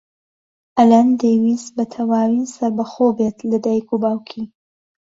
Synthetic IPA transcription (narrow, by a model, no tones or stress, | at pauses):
ʔɐland̪ewisbɐt̪ʰɐwaːwinsɐɾbɐxobet̪lɐd̪ajkʰubaːwkʰi